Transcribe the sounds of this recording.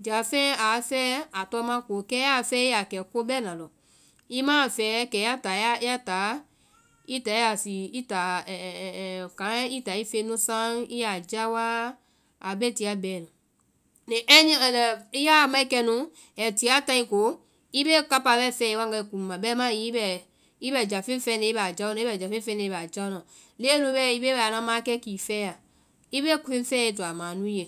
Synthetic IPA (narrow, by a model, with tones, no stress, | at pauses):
d͡ʒa˨fẽ˦a˨˦fɛː˦a˨tɔ˧˦mã˦ko˨˦kɛ˦a˨fɛ˦i˦a˨kɛ˨ko˦bɛ˦nã˨lɔ˨ | i˦mãː˦˨fɛː˨˦kɛ˨˦a˦ta˨˦a˦a˦taː˨˦ | i˦ta˨˦i˦a˨si˨i˦ta˨ɛ˨kã˨˦i˦ta˨˦i˦fe˧˦nũ˦sã˦i˦ja˨d͡ʒa˦wa˦ | a˨be˦˨ti˨˦a˨bɛ˨nũ˨ | nẽ˨ʔɛ˦ɲĩ˦˨lɛ˨i˦ja˦˨mã˦i˦kɛ˧nũ˨˦ | ɛ˨ti˨˦a˦tã˧ĩ˧ko˨˦ | i˦be˦ka˦pa˧˨bɛ˦˨fɛ˧˨i˦wa˦ŋ˦ɡa˧i˧˦kũ˨mã˨bɛ˦mã˦i˦bɛ˦˨ | i˦bɛ˦˨d͡ʒa˨fẽ˦fɛ˧˦ne˧˦i˦bd͡ʒa˦u˦ã˨˦i˦bɛ˧˨d͡ʒa˨fẽ˦fɛ˦ne˧˦ba˨d͡ʒa˦u˦nã˨le˦nũ˧˦bɛ˦˨i˦be˦bɛ˦˨a˨nã˧˦mã˦kɛ˦ki˨fɛ˦a˨ | i˦be˦kfẽ˦fɛ˦i˧˦tu˨a˨mãː˨nũ˦je˨